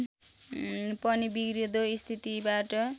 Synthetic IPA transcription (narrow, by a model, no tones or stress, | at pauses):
pʌnibiɡɾid̪oist̪ʰit̪ibaʈʌ